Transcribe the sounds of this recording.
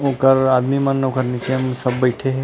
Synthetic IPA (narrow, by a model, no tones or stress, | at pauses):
õːkəɾaːd̪mimɐnːɐwkɐɾnet͡ʃʰiɐmsɐbːɐɪʈʰeɦɛ